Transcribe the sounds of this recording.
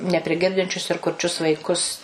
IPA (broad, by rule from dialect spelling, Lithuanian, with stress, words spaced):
nʲɛpʲrʲɪˈɡʲɪrʲdʲɪnʲt͡ʃʲʊs ɪr kʊrʲˈt͡ʃʲʊs ʋɐɪˈkʊs